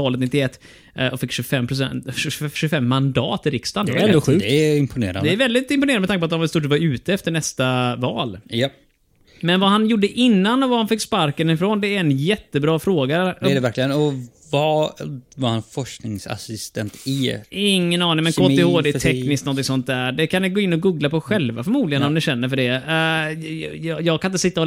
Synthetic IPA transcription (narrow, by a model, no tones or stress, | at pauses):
ɑːlət̪nɪt̪ːɪɛt̪ː | ʔɔfɪkːɕʉfɛmːpʰɾʊsɛ̰nʃʉfɛmːand̪ɑ̰ːt̪ɪɾɪkst̪anɛd̪ɧʉːkd̪ɛɪmpʰʊnḛːɾa̰nd̪ɛæɾvɛld̪ɪt̪ɪmpʊneːɾnd̪mt̪akpɔat̪d̪ɔmvɛlst̪uːʈ̬ːt̪vaɾʉ̟ːt̪əɛft̪əɳɛst̪avɑːlja | mɛnvaɦanjʊɖːəʔɪnːanɔvahanfɪkːspaɾkənɪfɾoːnd̪ɛːɾɛnjɛt̪ːəbɾɑːfɾoːɡaɛɛvæɾklɪɡənɔ | vavaɾhanfɔʂknɪŋsa̰sɪst̪ɛnt̪ɪɪŋːənɑːnɪŋmɛnkoːt̪ɪhoːd̪ɛːt̪ʰɛkːnɪsk̪tnɔnt̪ɪŋsɔnt̪̚d̪æɖɛkʰanɛɡoːɪnːɔɡuːɡlapɔɧɛlva̰fœɾmuːd̪lɪɡənɔmnd̪ɛɕɛnːəɾfœɖɛ | jjɑːɡkʰanɪt̪əsɪt̪ːa